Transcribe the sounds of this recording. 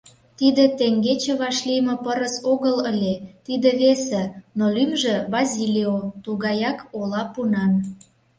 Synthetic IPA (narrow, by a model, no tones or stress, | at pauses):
t̪id̪ĕt̪eŋɡet͡ɕĕβɑʃlijmə̆pəɾəsoɣələlʲet̪id̪ĕβesĕnolymʒĕβɑzʲilʲiot̪uɣɑjɑkolɑpunɑn